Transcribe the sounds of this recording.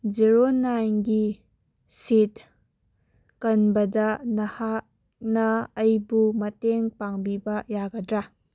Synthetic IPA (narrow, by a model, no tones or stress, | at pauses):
d͡ʒiɾonajnɡi | sit | kɐnbɐdɐnɐhak̚ | nɐːjbumɐteŋpaŋbibɐjaɡɐdɾa